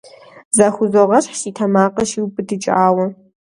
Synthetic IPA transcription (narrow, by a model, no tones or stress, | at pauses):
zaxʷʊzoʁɐɕħʃiːtʰɐmaːqʼɐʃiwbɨdɨt͡ʃʼaːwɐ